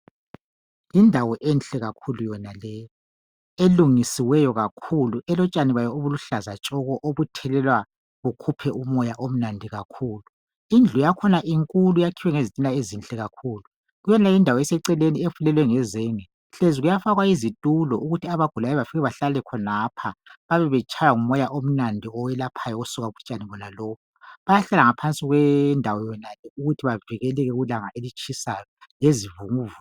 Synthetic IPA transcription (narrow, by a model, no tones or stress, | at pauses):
jindʱawɔʔent͡ɬʼɛɣakʰulujɔnalɛjɔ | eluŋisiwɛjɔɣakʰuluɛlɔt͡ʃʼaniβajɔoβuluɬazat͡ʃʼɔɣɔʔoβutʰɛlɛlwa | βukʰupʰɛumɔjaʔom̩nandʱiɣakʰuːlu | ind͡ɮʱujakʰɔnaʔiŋkʼulujakʰiwɛŋezitʼinaezint͡ɬʼɛɣakʰuːlu | ɣujɛnlajindʱawɔɛsɛǀɛleniefulɛlwɛŋɛzɛːŋɛ | ɬeziɣujafaɣwaizitʼulɔʔuɣutʰiaβaɡ̥ʱulajɔβafiɣɛβaɬalɛkʰɔnapʰaβaβɛβɛt͡ʃʰʼajaŋumɔjaʔom̩nandʱiɔwɛlapʰajɔosuɣaui̥t͡ʃʼaniβɔnaloːkʰuβajaɬalaŋapʰant͡sʼiɣwɛndʱawɔjɔnalɛuɣutʰiβaviɣɛlɛɣɛɣulaŋaʔelit͡ʃʼʰisajɔlezivuŋuvu